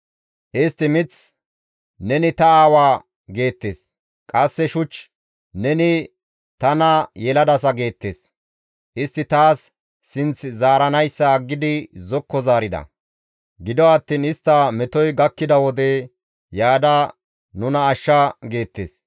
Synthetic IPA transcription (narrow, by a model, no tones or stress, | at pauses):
ʔɪst̪ːɪmɪt͡s | nɛnɪt̪ɐaːwaː | ɡe̞ːt̪ːeːs | kʼɐsːɛʃʊt͡ʃː | nɛnɪ | t̪ɐnɐjɛlɐd̪ɐsɐɡe̞ːt̪ːe̞̰ːs | ʔɪst̪ːɪt̪aːsː | ɪnt͡szaːɾɐnɐjsːɐːɡːɪd̪ɪzɔkːɔzaːɾɪd̪ɐ̰ | ɡɪd̪ɔɐt̪ːiːnɪst̪ːɐmɛt̪ɔjɡɐkːɪd̪ɐwɔd̪ɛ | jaːd̪ɐ | nʊnɐːʃːɐɡe̞ːt̪ːḛːs